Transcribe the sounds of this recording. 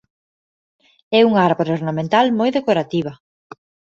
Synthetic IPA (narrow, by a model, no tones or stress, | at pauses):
ɛuŋaaɾβoɾoɾnamẽnt̪almojðekoɾat̪iβɐ